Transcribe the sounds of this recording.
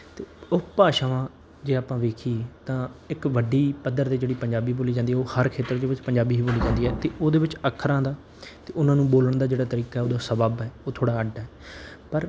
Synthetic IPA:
t̪eːʊpaːʃaːʋãː | d͡ʒeːaːpãːʋeːkʰiːt̪ãːɪkʋəɖiːpəd̪əɾd̪eːd͡ʒeːɽiːpəɲd͡ʒaːbiːboːliːd͡ʒãːnd̪iːɛːoːhəɾkʰeːt̪əɾd̪eːʋɪt͡ʃpəɲd͡ʒaːbiːɦiːboːliːd͡ʒãːnd̪iːɦɛːt̪eːʔoːd̪eːʋɪt͡ʃəkʰːəɾãːd̪aː | t̪eːʊnãːnũːboːləɳd̪aːd͡ʒeːɽaːt̪əɾiːkaːɦɛoːd̪aːsəbəbɦɛːoːt̪ʰoːɽaːəɖɦɛːpəɾ

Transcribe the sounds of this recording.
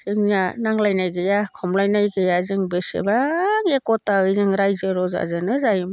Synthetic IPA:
z̥ɯŋjanaŋlajnajɡɯjakʰɔmlajnajɡɯjazɯŋbɯsḛbaŋekɔtaɯjzɯŋɾajzɯɾɔza̰zɯnɯzajm

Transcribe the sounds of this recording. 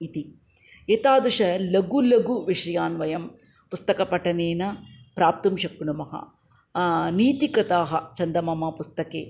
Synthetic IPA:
it̪i | eːt̪aːd̪uʂɐlɐɡulɐɡuʋiʂɐjaːnʋɐjɐm | pust̪ɐkɐpɐʈɐneːnɐ | pɾaːp̚t̪umʃɐkːɳumɐɦɐ̰ | niːt̪ikɐt̪aːɦɐt͡ʃɐnd̪ɐmɐmɐpust̪ɐkeː

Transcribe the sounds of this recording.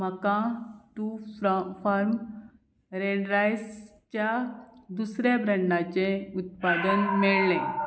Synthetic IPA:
m̤əkãt̪ũfɾfaɾm | ɾeɳɾajs | t͡ɕjad̪usɾabɾəɳːat͡ɕẽut̪̚pad̪ənmeɭlɛ̃

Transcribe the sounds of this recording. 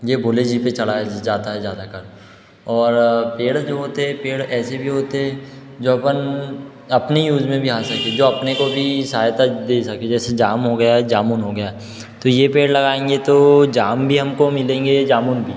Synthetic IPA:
jebʱoːled͡ʒipet͡ʃɐɽ̤ad͡ʒaːt̪aɦɛd͡ʒaːd̪akɐɾ | ɔːɾpeːɽd͡ʒoːɦoːt̪eɦɛ̃peːɽɛːsebʱiɦoːt̪eɦɛ̃ | d͡ʒoːɐpən | ɐpnejuːzmẽbʱiɦaːsɐked͡ʒoːɐpnekobʱisaːjt̪ad̪eːsɐked͡ʒɛːsed͡ʒaːmɦoɡɐjaɦɛd͡ʒaːmunɦoɡɐjaɦɛ | t̪ojepeːɽlɐɡaːẽːŋɡet̪od͡ʒaːmbʱiɦɐmkomɪlẽːŋɡed͡ʒaːmuːnbʱiː

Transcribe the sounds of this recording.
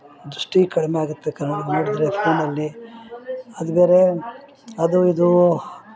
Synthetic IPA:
d̪ɾuʂʈikɐɽmeaːɡut̪ːekɐnːliɡnoːɽid̪ɾepʰeːnɐlːi | ɐd̪ubeːɾe | ɐd̪uid̪u

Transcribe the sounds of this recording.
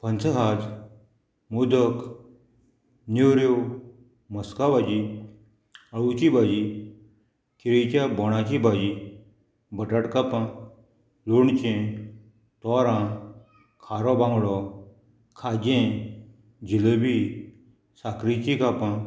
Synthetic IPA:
pənt͡sʰəɦad͡ʑ | mud̪ʱək | newɾjew | məskabad͡ʑi | aɭut͡ɕibad͡ʑi | kiɾet͡ɕjabɔɽ̃ãt͡ɕibad͡ʑi | bəʈaʈkapã | loɳt͡ɕẽ | t̪ɔɾã | kʰaɾɔbãŋɡɽɔ | kʰad͡ʑẽ | d͡ʑiləbi | sakɾit͡ɕikapã

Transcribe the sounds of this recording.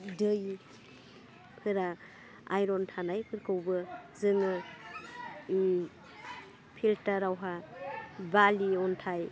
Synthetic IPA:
dɯj | pʰɯɾa | a̰jɾɔntʰanajpʰɯɾkɯwbɯzɯŋɯ | pʰiltaɾawɦa | baliɔntʰaj

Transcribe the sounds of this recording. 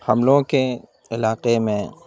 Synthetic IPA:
hɐmloːõke | ɪlaːqemẽ

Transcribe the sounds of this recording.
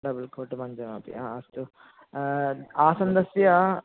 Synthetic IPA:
ɖɐbɐlkʰoːʈmɐɲd͡ʒɐmaːp̪ḭaːɐsʈ̪u | aːsɐnd̪ɐsjɐ

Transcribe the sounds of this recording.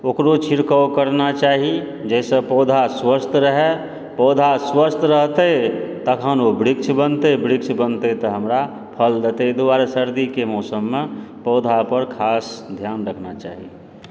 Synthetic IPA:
okɾot͡ʃʰiɾkəwkəɾnat͡ʃaːɦi | d͡ʒɛːsəpɔːd̪ʱaswəst̪ʰɾəɦe | pɔːd̪ʱaswəst̪ʰɾəɦt̪et̪əkʰənobɾikt͡ʃʰbənt̪ebɾikt͡ʃʰbənt̪et̪ɔɦəmɾa | pʰəld̪et̪ed̪oaːɾsəɾd̪ikemɔːsəmːepɔːd̪ʱapəɾkʰaːsd̪ʱjaːnɾəkʰnat͡ʃa̰ːɦḭ

